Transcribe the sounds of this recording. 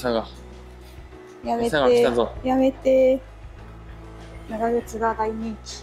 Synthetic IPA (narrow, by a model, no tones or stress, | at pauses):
saɡa | jameaɡeazojame̞t̪e | naɡaɡet͡sɨɡad̪aiɲĩŋkʲi̥